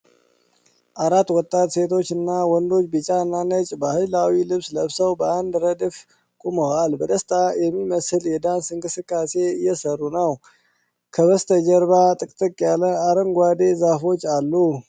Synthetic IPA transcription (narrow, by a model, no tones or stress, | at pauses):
ʔaɾat̪ːwɔt̪ʼːat̪se̞t̪ʰo̞t͡ʃːɨnːawɔnd̪o̞t͡ʃːbɨt͡ʃʼanːanət͡ʃʼbəhɨjlawilɨβsləβsəwbəand̪ɾəd̪ɨf | kʼuməwalbəd̪əst̪ʼajɛmːiməsɨljɛd̪ansɨŋkʼɨsɨkʼːase̞ɪjːɛsərːunəw | kʰəβəst̪ʰəd͡ʒəɾβat̪ʼɨkʼt̪ʼɨkʼːjaləaɾəŋɡʷad̪ezafo̞t͡ʃːalːu